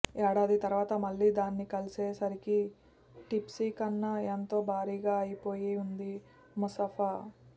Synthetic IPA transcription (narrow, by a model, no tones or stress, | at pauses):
ɛːɽaːd̪it̪ɐɾuʋaːt̪ɐmɐlːiːd̪aːnːikɐliseːsɐɾiki | ʈipsiːkɐnːɐent̪o̞ːbʱaːɾiːɡaːɐjipo̞ːjiund̪i | musɐpʰa